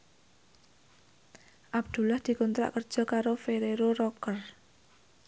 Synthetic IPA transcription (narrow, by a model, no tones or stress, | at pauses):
ʔab̚d̪̥ṳlahd̪̥i̤kɔnt̪ɾa̰ʔkər̥ʒ̥ɔ̤kaɾofeɾeɾoɾɔkər